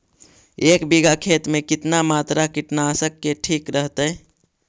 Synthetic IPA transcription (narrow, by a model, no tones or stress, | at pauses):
eːkbiɡakʰeːt̪mẽkɪt̪namaːt̪ɾakɪʈnaːsəkːeʈʰiːkɾəɦt̪ə